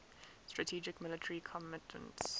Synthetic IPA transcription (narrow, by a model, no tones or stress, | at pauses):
stɹ̥ətʰiːd͡ʒɪkmɪlɪtʰəɹikʰɔmɪtmə̰̃nts